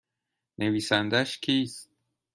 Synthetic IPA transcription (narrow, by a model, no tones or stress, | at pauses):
nʔeviːsænd̪æʃkʲʰiːst̪